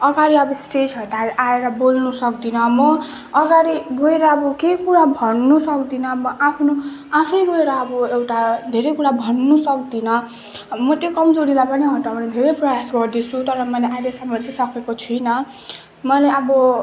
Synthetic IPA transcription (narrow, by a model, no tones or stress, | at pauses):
ʌɡaɾiʌbʌsʈed͡zɦʌʈaʔaeɾʌbolnusʌkd̪inʌmʌː | ɡaɾiɡoeɾʌːbʌkekuɾabʱʌnːusʌkd̪inʌbʌʔapʰnoapʰijɡoeɾʌːbʌewʈad̪ʱeɾʌjkuɽabʱʌnːusʌkd̪inʌ | mʌt̪jokʌmd͡zoɾid̪apʌniɦʌʈanid̪ʱeɾʌjprʌjasɡʌrd̪it͡sʰut̪ʌɾʌmʌleʔaeɾʌsʌmʌt͡sasʌkekot͡sʰujnʌ | mʌleʌbʌ